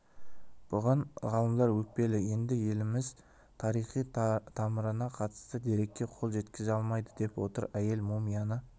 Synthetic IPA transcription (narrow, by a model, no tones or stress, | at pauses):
b̥ʊʁɑɴʁɑlˠəmd̪ˠɑɾwɵk̚pe̞lɪje̞nd̪ɪje̞lɪmɪz | t̪ʰɑɾijχijt̪ʰɑməɾənɑqʰɑt̪ə̥st̪əd̪e̞ɾe̞kʲːe̞qʰo̞lˠʒe̞t̪kʲɪzɑlˠmɑjd̪əd̪e̞pwo̞t̪ə̰ɾæje̞lmumijɑnə